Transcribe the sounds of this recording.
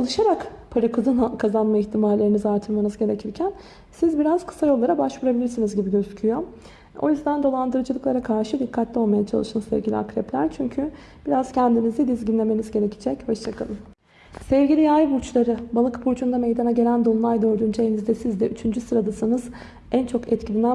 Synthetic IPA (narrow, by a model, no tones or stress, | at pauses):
t͡ʃʰalˠɯʃaɾakpʰaɾɯkʰd̪ankʰazanmaiçt̪ʰimaɾlːʲe̞ɾinizaɾt̪ʰɯɾmanɯzɟe̞ɾecʰiɾcʰæn | sizbiɾazkʰɯ̥sajo̞lˠːaɾabaʃvuɾabilʲiɾsinizɟibiɟøzycʰyjo̞ | o̞̰jyzd̪and̪o̞lˠand̪ɯɾɯd͡ʒɯlˠɯklˠaɾakʰaɾʃɯd̪ikʰːat̪ʰlʲio̞lˠmajat͡ʃʰa̰lˠɯʃɯnsɛ̰vɟilʲḭa̰kɾɛplʲæ̰ɾt͡ʃʰyɲcʰy | b̥iɾaz̥cʰænd̪inizd̪ɛd̪izɟinlʲe̞me̞nizɟe̞ɾecʰi̥d͡ʒɛchaʃt͡ʃʰakʰalˠɯm | sɛvɟilʲijajbuɾt͡ʃlˠaɾɯbalˠɯkbuɾt͡ʃʰund̪amejd̪anaɟe̞lʲænd̪olˠajd̪øɾd̪ynd͡ʒenizd̪ɛsizd̪ɛʔyt͡ʃʰynd͡ʒysɯɾad̪asɯnɯz | ænt͡ʃʰo̞kɛt̪cʰilʲinæ